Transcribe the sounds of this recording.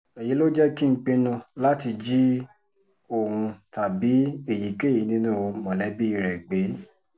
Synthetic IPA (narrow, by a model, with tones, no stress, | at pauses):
ɛ˨ji˨˦lo˦d͡ʒɛ˦ki˦ŋ̩˦k͡pe˧nũ˧la˦ti˧d͡ʒi˦ | o˦˨ɾũ˧ta˨bi˨˦e˨ji˨ke˦˨ji˨˦nĩ˦nũ˦˨˧mɔ̃˨lɛ˨˦bi˦i˧˨ɾɛ˨ɡ͡be˨˦